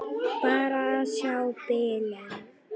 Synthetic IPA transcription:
paɾaʃaʊpɛːla

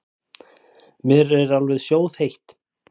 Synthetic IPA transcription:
mɪɾɛɾalvɛðsjoːwðhejht̪

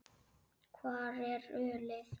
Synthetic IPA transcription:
kʰwarɛrølɛs

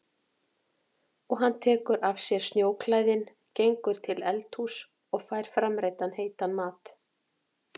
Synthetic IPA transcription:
ɔɣɦanːt̪ʰɛːkʏɾʔavsjɛɾ̥snjoːwkʰlaːjðɪn | cejŋkʏɾ̥t̪ʰɪlɛlt̪hus | ɔɣfaːjɾ̥fɾamɾeːjt̪anheːjt̪anmaːt̪

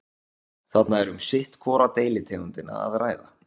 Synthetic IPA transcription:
θat̪naɛɾʏmsɪht̪kʰvɔːɾat̪eːjlɪt̪ʰeːɣʏnt̪ɪna̰a̰ðraːjða

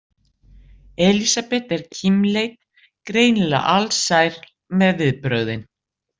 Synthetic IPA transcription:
ɛːlisapɛht̪ɛɾ̥cʰimlejt̪̚ | kɾeːjnla̰ʔalsajɾ | mɛðvɪðpɾœɥðɪn

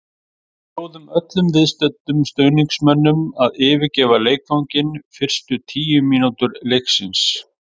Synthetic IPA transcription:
oːwðʏmœt̪lʏmvɪðst̪ɛt̪ːʏmst̪œːɥniŋksmɛnːʏmaðɪːvɪɾcɛːvaleːjkfawŋcɪnfɪr̥st̪ʏt̪ʰiːjʏmiːnut̪ʏɾlejksɪns

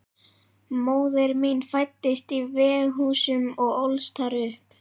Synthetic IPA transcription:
moːwðɪɾminfajt̪ːɪst̪ivɛːðɦuːsʏmɔɣowlst̪ʰaɾʏhp

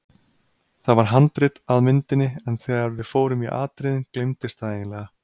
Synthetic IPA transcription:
θaðvaɾ̥ɦant̪ɾɪt̪aðmɪnt̪ɪnːɪɛnθɛːɣaɾvɪðfoːwɾʏmiʔa̰ːt̪ɾɪðɪnklejmt̪ɪst̪ʰaðejɪnlɛːɣa

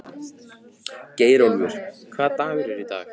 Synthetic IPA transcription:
ceːjɾowlvʏɾ̥kʰvaːðt̪aːvɛɾʏɾit̪a̰ːx

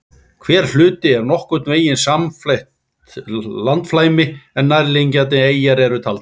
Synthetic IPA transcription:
kʰvɛːɾ̥l̥ʏːt̪ɪɛɾnɔhkʏt̪nveːjɪnsamflejht̪ | lant̪flaːjmɪɛnːajɾlejɲcat̪ɪeːjaɾɛɾʏt̪ʰaːlt̪

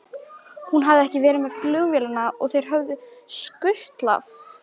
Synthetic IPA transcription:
hunɦavðɪɛhcɪvɛːɾɪmɛð̥flʏɣvjɛːlanːaɔ̰ɣθejɾ̥ɦœvðʏskʏht̪la̰s

